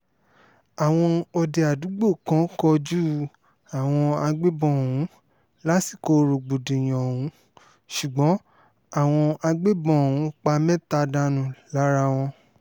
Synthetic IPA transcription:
a˨w̃ɔ̃˧ɔ˧de˨a˨du˨˦ɡ͡bo˦˨kã˨˦kɔ˧d͡ʒu˦ | a˨w̃ɔ̃˧a˧ɡ͡be˦bɔ̃˧˨wũ˨˦ | la˦si˦˨ko˧ɾo˨ɡ͡bo˨de˨j̃ɔ̃˨o˨wũ˨˦ | ʃu˨ɡ͡bɔ̃˨˦ | a˦˨w̃ɔ̃˧a˧ɡ͡be˦bɔ̃˧˦o˨wũ˨˦k͡pa˧mɛ̃˦ta˧da˧nũ˨la˨˦ɾa˧w̃ɔ̃˧

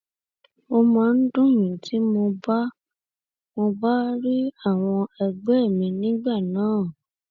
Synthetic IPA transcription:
o˧mã˧˨n̩˦dũ˦jũ˨ti˨˦mo˧ba˦ | mo˧ba˦ɾi˦a˦˨w̃ɔ̃˧ɛ˧ɡ͡bɛ˦˨mĩ˧nĩ˦ɡ͡ba˦˨nãː˨˦˨

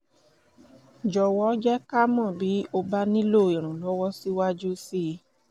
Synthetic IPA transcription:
d͡ʒɔ˨wɔ˨˦d͡ʒɛ˦ka˦mɔ̃˦˨bi˨˦o˧ba˦nĩ˦lo˦˨i˨ɾ̃ũ˨lɔ˦wɔ˦si˦wa˦d͡ʒu˦si˦˧˦

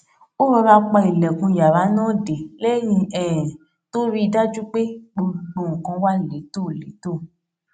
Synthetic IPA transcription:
o˦ɾ̃ɔ̃˧ɾa˧˦k͡pa˧i˨lɛ˨kũ˧˨ja˨ɾa˨˦nãː˦˨de˨lɛ˦jĩ˧ɛ˦˨ | to˦ɾi˦i˧da˦d͡ʒu˦k͡pe˦ɡ͡bo˧ɡ͡bo˧˨ŋ̩̃˨kã˧wa˦˨le˨˦to˦˨lḛ˨˦to˦˨

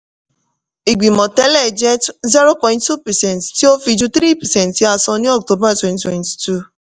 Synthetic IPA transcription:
i˨ɡ͡bi˨mɔ̃˨tɛ˦lɛ˦˨d͡ʒɛ˦zi˦ɾo˦pɔ̃˨j̃nttu˦pɛ˨sɛ̃˦˨ntti˦o˦fi˧d͡ʒu˦t̪ɾi˦˨pɛ˨sɛ̃˦ntːi˨˦a˧sɔ̃˧nĩ˦ɔ˦k̚to˦ba˦twɛ̃˦˨ntwɛ̃˨nti̥˨tu˦˨

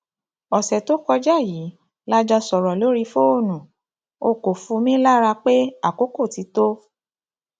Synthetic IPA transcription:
ɔ˨sɛ˨to˦kɔ˧d͡ʒa˦˨ji˨˦ | la˦d͡ʒɔ˧sɔ˨ɾɔ˨lo˨˦ɾi˧fo˦o˦˨nũ˨ | o˧˨ko˨fũ˧mĩ˦la˦ɾa˧k͡pe˦a˦˨ko˦ko˦˨ti˨˧˦to˦

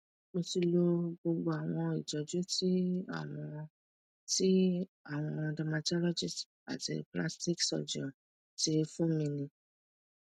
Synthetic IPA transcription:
mo˧ti˧lo˧ɡ͡bo˧ɡ͡bo˧a˨w̃ɔ̃˧i˨d͡ʒɔ˨d͡ʒu˨˦ti˦a̰˦˨w̃ɔ̃˧ | ti˦a˦˨w̃ɔ̃˧da˧mã˧ta˦lɔ˦d͡ʒi˦st | a̰˨tḭ˧pla̰˦sti˦ksɔ̰˨d͡ʒɔ̰̃˨ | ti˧fũ˦mĩ˧nĩ˧

